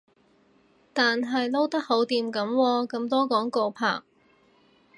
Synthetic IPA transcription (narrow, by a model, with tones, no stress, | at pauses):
t̪aː˨nɦɐ˨jlo˥wt̪ɐ˥k̚ho˨˥wt̪iː˨mkɐ˨˥mwɔː˧kɐ˧mt̪ɔː˥kɔː˨˥ŋko˧wpʰa̰ː˨˩k̚